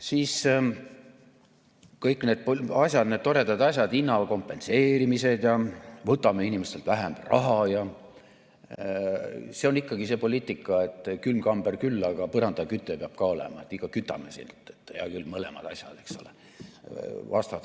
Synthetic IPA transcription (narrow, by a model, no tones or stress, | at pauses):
siːs | kɤjkːˑne̞ːd̪̚poɑsʲjɑd̪̥ned̪̥t̪ːoɾe̞d̪ɑd̪ɑsʲjɑd̪inːɑko̞mpːˑe̞nseːɾimise̞d̪̥jɑvɤt̪ːˑɑmeinʲimest̪e̞lt̪v̥æɦæmrʔɑ̰ɦɑjɑ | se̞o̞nikːɑɡise̞ːpo̞lʲiːt̪ːˑikːˑɑe̞t̪ːˑkylmkɑmb̥erkylːɑɡ̥ɑpɤɾɑnd̪ɑkyt̪ːˑøpeɑb̥̚kɑo̞lḛmɑet̪ːˑiɡ̥ɑkyt̪ːˑɑ̰mesḭnt̪ːe̥t̪ːˑjɑ̰kylːmɤlḛmɑ̰d̪ɑ̰sʲjɑ̰d̪̥e̞kso̞̰le | vɑ̰st̪ɑt̪